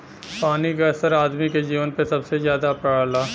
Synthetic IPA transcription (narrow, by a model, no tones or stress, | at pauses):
paːnikasəɾaːd̪miked͡ʒiːʋənpesɐbsezjaːd̪apalaː